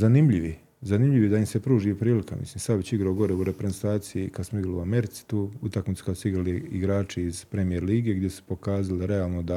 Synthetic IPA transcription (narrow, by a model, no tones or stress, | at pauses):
zanimʎiʋi | zanimʎiʋid̪aimsepɾuːʒiepɾiːlika̰mḭsliːmsaʋit͡ɕiɡɾaoɡo̞ɾeuɾepɾeznt̪aːt̪sijikad̪smoiɡɾaluame̞ɾit̪si̥t̪uːut̪akmit̪si̥kad̪suiɡɾaliiɡɾaːt͡ʃeiz̥pɾe̞mijeɾliːɡeɡd̪jesu̥po̞kaːzaliɾeaːlˠnod̪a